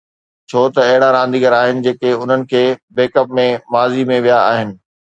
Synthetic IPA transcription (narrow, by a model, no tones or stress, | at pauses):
t͡ɕʰoːt̪ɐɐɦɪɽaɾãːnd̪iːɡəɾaːɦɪnɪ̆d͡ʑeːkeʊn̤ənɪ̆kʰeːbeːkəp̚mẽmaːzimẽʋijaa̰ːɦɪnɪ̆